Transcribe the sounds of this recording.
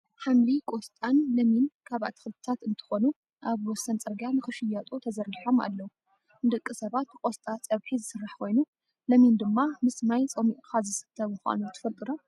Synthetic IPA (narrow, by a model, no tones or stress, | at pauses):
ħamlikʼost̪ʼanlɐminkʰaβa̰t̪ʰɨ̥xɨlt̪ʰɨt̪ʰat̪ɨnt̪ʰɨ̥xonu | ʔaβwɔsːɐnt͡sʼɐɾɡanɨxɨʃɨjat̪ʼut̪ʰɐzɐɾiħo̞ma̰lːɐwu | nd̪ɨkʼːɨsɐβat̪kʷʼost̪ʼat͡sʼɐβħizɨsɨrːaħkʰo̞jnu | lɐmind̪ɨmːamɨsmajt͡sʼɐmiʔʼxazɨsɨ̥t̪ʰːɐβmɨxʷa̰nut̪ʰɨ̥fɐlt̪ʼɨɾom